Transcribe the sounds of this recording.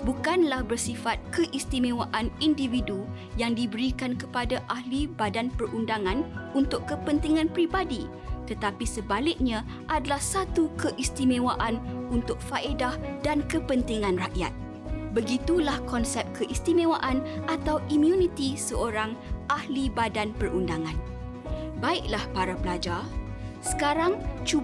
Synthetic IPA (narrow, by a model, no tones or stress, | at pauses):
bukanlahbərsifat̪̚kəʔist̪imẽwaʔanindividu | jaŋdibəɾikankəpadaʔahlibadanpərundaŋãnunt̪ʊʔkəpənt̪iŋãnpɾibadi | t̪ət̪apisəbalɪk̚ɲã | ʔadalahsat̪ukəʔist̪imẽwaʔanunt̪ʊk̚faʔedahdankəpənt̪iŋãnraʔja̰t̪̚ | bəɡit̪ulahkɔnsɛp̚kʰəʔist̪imẽwaʔanʔat̪awʔimjunit̪isəoɾaŋʔahlibadanpərundaŋãn | baɪk̚lahpaɾapəlad͡ʒasə̥kaɾaŋt͡ʃu